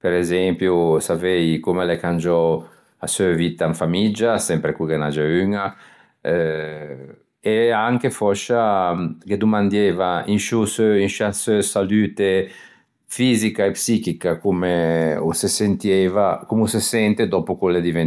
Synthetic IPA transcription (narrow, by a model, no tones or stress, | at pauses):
peɾezɛmpjusavɛjkumelekand͡ʒɔ | asøvit̪ãɱfamid͡ʒasɛmpɾekukenad͡ʒeyŋa | ɛ | eaŋkefɔʃaked̪umand̪jɛvainʃusøinʃasøsalyːt̪e | fiːzikaepsikikakumeo̰sesent̪jɛvakumusesɛnt̪ed̪ɔpukuled̪ivɛn